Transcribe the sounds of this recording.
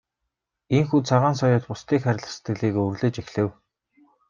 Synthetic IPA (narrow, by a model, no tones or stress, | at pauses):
eŋxuːt͡sʰaʁaːnsɔjʊːt̪pʊst̪iːkχæɾʲɪ̆ɮə̆st̪ɡɘ̆ɮiːkɵrɮeːt͡ɕexɮɘ̆w